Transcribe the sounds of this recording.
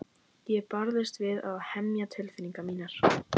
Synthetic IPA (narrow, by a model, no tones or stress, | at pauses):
jɛɣpaɾðɪst̪vɪðaðhɛmjat̪ʰɪlfɪniŋkamiːnaɾ̥